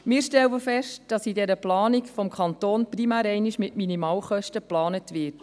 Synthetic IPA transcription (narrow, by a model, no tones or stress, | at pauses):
mɪːɾʃtɛlwəfɛʃtd̥ɑsidɛɾəplɑːnikfɔmkʰɑntoːnprimæːɾɛɪniʃmɪtminimɑːlχœʃtəplɑːnətʋɪt